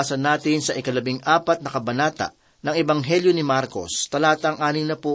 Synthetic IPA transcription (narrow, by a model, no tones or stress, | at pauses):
sɐnːaːt̪ɪnsɐʔɪkɐlɐbɪŋʔaːpɐt̪̚nɐkɐbɐnaːt̪ɐ̰ʔ | nɐŋɛbɐŋɦɛljonɪmaɾko̞̰st̪ɐlaːt̪ɐŋʔaːnɪŋnɐpu